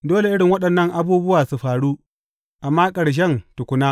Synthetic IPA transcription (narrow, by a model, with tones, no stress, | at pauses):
doː˦le˨ʔɪ˦ɽɪ˨ŋwɐ˦ɗɐ˨nːɐ˦ŋʔa˦buː˦bʊ˦waː˨su˨ɸaː˨ɽuː˦ | ʔa˨mːaː˦kʼɐ˨ɽʃ̬ɛ˦˨ntʊ˨kʷʊ˦naː˦